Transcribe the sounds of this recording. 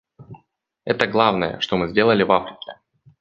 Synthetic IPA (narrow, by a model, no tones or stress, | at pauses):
ɛt̪əɡlˠavnəjə̰ʂt̪omɨzʲdʲe̞lˠəlʲɪvafɾʲɪkʲɪ